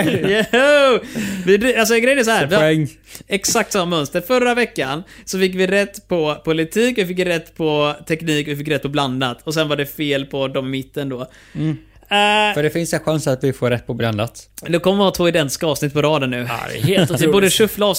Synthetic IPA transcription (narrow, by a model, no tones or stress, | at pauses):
jɛ | vɪd̪als̬ɔɛɡɾɛjənæɾs̬ɔɦæːɾvɪɛŋːɛksak̚t̪samːamœnst̪əɾfœɾːavɛkːansɔfɪkːvɪɾɛt̪ːpʰɔpʰʊlɪt̪ʰiːkɔvɪfɪkːɾɛt̪ːpʰɔt̪ʰɛkniːkɔvɪfɪkːɾɛt̪̚ːpʰɔbland̪at̪ʰɔs̬ɛnvaɖɛfeːlpʰɔd̪ɔmːɪt̪ːənd̪oː | fœɖɛfɪnsɛnɧansat̪vɪfoːɾɛt̪̚ːpʰɔbland̪at̪d̪ɛkʰɔmːəɾvɪhɑːt̪ʰoːɪd̪ɛnt̪ɪ̥skaɑːvsnɪt̪̚ːpʰɔɾɑːd̪ənːʉ̟̰ːdɛ̰hɪbuːɖəʂɵflaɑː